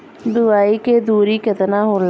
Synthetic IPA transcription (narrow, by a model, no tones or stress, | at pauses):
d̪ʊaːiked̪uːɾikət̪naːɦoːl